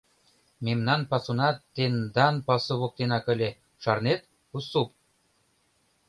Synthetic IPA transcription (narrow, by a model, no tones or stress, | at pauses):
memnɑnpɑsunɑt̪ːend̪ɑnpɑsɤ̆βok̚t̪enɑkɘ̆lʲe | ʃɑrnet̪̚ | usup̚